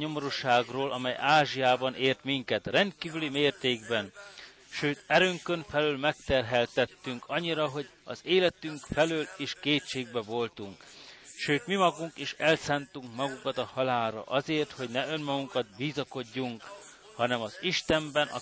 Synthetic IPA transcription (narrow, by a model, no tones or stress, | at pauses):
ɲomoɾuʃaːɡroːlɒmɛjaːʒiaːbɒnʔeːrt̪miŋkɛt̪rɛnt̪̚kiːvylimeːrt̪eːɡbɛn | ʃøːt̪ɛɾøːŋkøɱfɛlylmɛk̚t̪ɛrɦɛlt̪ɛt̪ːyŋkɒɲːiɾɒɦo̞ɟɒ̰zeːlɛt̪yŋkfɛløːleːʃkeːt̪ʃeːɡ̚bɛvo̞lt̪uŋkʃøːt̪mimɒɡuŋkeːʃɛlsaːnt̪uŋkmɒɡukɒt̪ɒhɒlaːlɾɒ̰ʔɒzeːrt̪ho̞ɟnɛønmɒɡuŋkɒd̪̚biːzɒko̞ɟːuŋk | hɒnɛmɒziʃt̪ɛmbɛnʔɒ̰